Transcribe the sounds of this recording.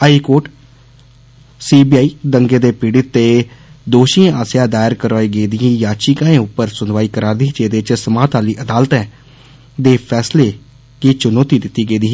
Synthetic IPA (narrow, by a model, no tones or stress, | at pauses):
aiːkoːʈ | siːbiːaːiːd̪əŋɡeːd̪eːpiːɽɪt̪ːeːd̪oːʃiːãʔaːsjãːd̪aːɪɾkəɾɔːeːɡeːd̪ɪĩːjãːt͡ʃikãːẽːʊpːəɾsʊnʋaːiːkəɾaːɾd̪iːt͡ʃeːd̪et͡ʃsəmaːt̪aːliːʔəd̪aːlt̪ɛ̃ː | d̪eːpʰɛːsleː | kit͡ʃʊnoːt̪iːd̪ɪt̪ːiːɡeːd̪iː